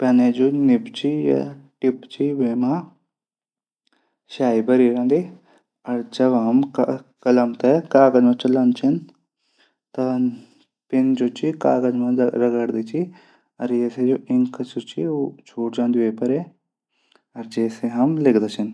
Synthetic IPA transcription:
pɛːneːd͡ʒoːnɪpt͡ʃiːja̰ʈɪpt͡ʃiːʋeːmãː | ʃaːiːbəɾiːɾãːnd̪eː | ɐɾd͡ʒəbɦəmkələmt̪ɛkaːɡəd͡ʒmãt͡ʃələnt͡ʃʰɪn | t̪ã | pɪnd͡ʒoːt͡ʃiːkaːɡəd͡ʒmãːɾəɡəɽd̪eːt͡ʃiː | əɾjeːsed͡ʒoːʔɪŋkt͡ʃot͡ʃiːoːt͡ʃʰoːʈd͡ʒãːnd̪ieːpəɾeː | əɾd͡ʒeːseːɦɐmlɪkd̪aːt͡ʃʰɪn

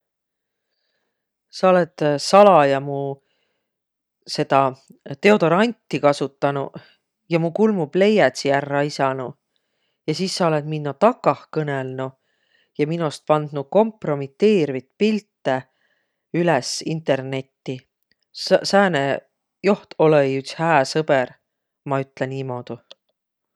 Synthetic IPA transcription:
sɑo̞let̪sɑlɑjɑmu | se̞d̪̥ɑt̪e̞o̞d̪o̞ɾɑnʲt̪ːˑikɑsut̪ːˑɑnṵ | jɑmukulmub̥le̞jæt̪sijærːɑisɑnu | jɑsiːsːɑo̞let̪minːot̪ɑkːˑɑhkɤnelnu | jɑminost̪̚pɑnd̪̥nuko̞mpro̞mit̪ːe̞ːɾvit̪pilt̪ːe | ylɛsint̪ˑe̞rne̞t̪ːi | sæːne | jo̞ht̪o̞lejyt̪shæːsɤber | mɑyt̪ˑleniːmo̞ːd̪̥u

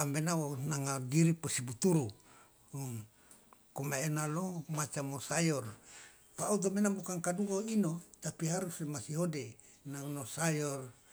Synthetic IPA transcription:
ambenaonaŋadiɾiposibut̪uɾu | komaenalomat͡ʃamosajɔr | paut̪̬omenabukaŋkaduɡainot̪apiɦaɾuslemasiɦode | nanosajɔr

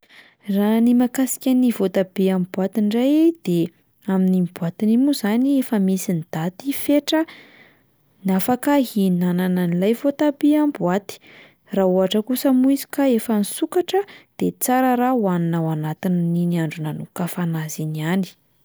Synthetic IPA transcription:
ranimakasi̥kʲanivot̪abeambuat̪iɳɖ͡ʐajed̪̥e | aminimbuat̪inimuzaniefəmisinid̪̥at̪ifeʈ͡ʂə | nafakaɦinanananilajvot̪abeambuat̪i̥ | rauaʈ͡ʂəkusəmuizi̥kaefənisukaʈ͡ʂəd̪̥et͡saɾəɾawaninawanat̪inniniaɳɖ͡ʐunanukafanaziniani̥

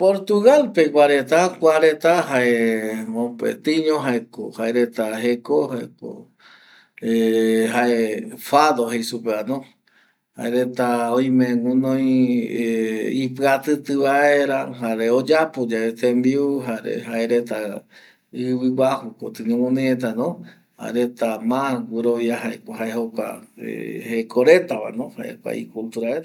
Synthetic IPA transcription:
poɾt̪uɣalpekʷaɾet̪akʷaɾet̪aɦaeõpḛt̪ɨɲõɦaekohaeɾet̪aɦekohaeko̰ | eɦaefaðoɦejsupeanõ | ha̰eɾet̪aoj̃mẽŋũnõj̃ | ipɨat̪ɨt̪ɨβae̞ɾaɦaɾeod͡ʒapod͡ʒaet̪ẽmbiuɦaɾḛhaeɾet̪a | ɨβɨɡʷahukot̪ɨɲõmõnẽet̪̬anõ | ha̰eɾet̪amãɡʷuɾoβjaɦaekhaehokʷa̰ḛhekʰoɾet̪aβa̰nõhaʔḛkʷa̰ḭkult̪uɾaeɾa

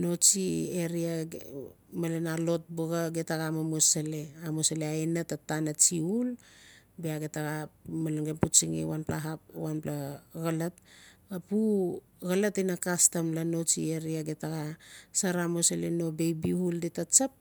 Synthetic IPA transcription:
no̞t͡ʃieɾia | malenalo̞t̚boɡaɡetaɡamamosaleamosaleaenatatanat͡ʃiulbeaɡetaɡamaleŋɡemput͡ʃiŋḛwanpla̰ɦap̚wanplaɣalat̚apu | ɡalatinakastamlano̞t͡ʃḭeɾiaɡetaɡasaɾamosalḛno̞bejbihuldetat͡ʃap̚

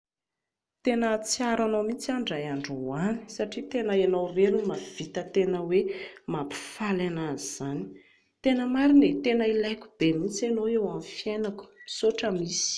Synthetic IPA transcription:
t̪enət͡siaɾanomit͡saɳɖ͡ʐajaɳɖ͡ʐuwani̥saʈ͡ʂit̪enaenawreɾinimav̥it̪ət̪enəwemapi̥falanaziz̥ani̥ | t̪enəmaɾinet̪enəilajkʲu̥b̥emit͡sanoewamfjenaku̥misoʈ͡ʂəmisi̥

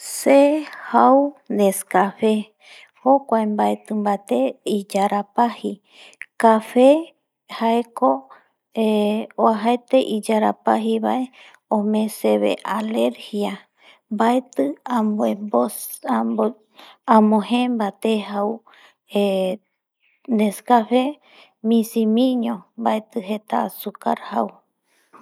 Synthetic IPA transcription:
sehaud̪eskafe | hokʷaembaet̪ɨmbat̪eid͡ʒaɾapahi | kafe | haeko | eoaɦaet̪eʔid͡ʒaɾa̰paɦiβa̰ʔe | õmẽseβḛʔaleɾhja | mbaet̪ɨambebo | ãmõhẽmbat̪eɦau | e | neskafe | mĩsimĩɲõmbaet̪ɨɦet̪asuka̰ɾhau

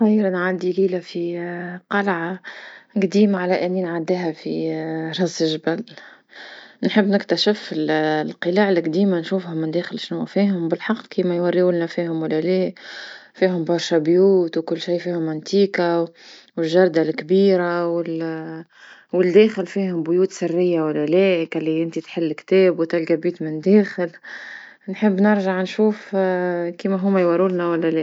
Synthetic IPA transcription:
xajːɾnʕad̪iliːlafiqɑlʕaɡd̪iːmaʕalæʔɪnːinʕad̪ːæɦæfiɾˤɑsʒbæl | nħəbːnɪkt̪æʃɪfɪllqəlaːʕlɪɡd̪iːmanʃuːfhʊmːɪnd̪æːxɪlʃnuæfiːhʊmbɪlħɑqːkiːmæjwɑrːiunnæfiːhʊmwɪlːæleːfiːɦʊmbɑɾˤʃæbjuːt̪wkʊlːʃijːfiːhʊmːʊnt̪iːkawɪlʒɑɾˤd̪alkbiːɾawɪl | wɪld̪ɛːxɪlfiːhʊmbʊjuːt̪sɪrːɪjːawælːælɛːʔkælːiʔɪnt̪it̪ħɪlːkt̪ɛːbwt̪ɪlɡabiːt̪mɪnd̪ɛːxɪl | nħəbːnɪɾʒaʕnʃuːf | kiːmæɦʊmːæjwɑɾulnæwælːælɛː

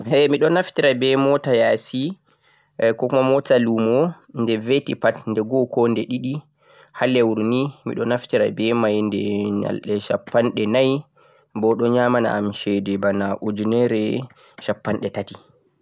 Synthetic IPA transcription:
hɛmiɗɔnaftiɾabɛmɔtajasi | kɔkumamɔtalumɔ | ndɛvetipatndɛɡɔkɔndɛɗiɗi | halːɛwuɾnimḭɗɔnaftiɾa̰bɛmajndɛɲa̰lɗɛʃapːanɗɛnaj | bɔɗɔɲaːmana̰ːmʃɛdɛbanaʔud͡ʒunɛɾɛ | ʃapːanɗɛtati

